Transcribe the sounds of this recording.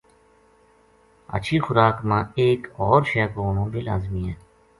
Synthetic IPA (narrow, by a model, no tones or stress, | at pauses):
ə̰t͡ʃʰiːxʊɾaːkmãːeːkɔːɾʃɛːkoːnõːbeːla̰ːzmiːɦɛ̃ː